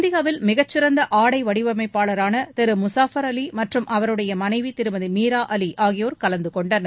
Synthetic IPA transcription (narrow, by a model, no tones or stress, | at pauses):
nd̪ɪɣaːʋɪlmɪɣɐt͡ʃːɪɾɐnd̪ɐʔaːɽɐɪʋɐɽɪʋɐmɐɪpːaːɭɐɾaːnɐt̪ɛɾɯmʊsaːfɐɾɐlimɐʈrɯmʔɐʋɐɾɯɽɐjɐmɐnɐɪʋit̪ɪɾɯmɐðɯmiːɾaːʔɐliʔaːɣɪjoːɾkɐlɐnd̪ɯkɔɳɖɐnɐ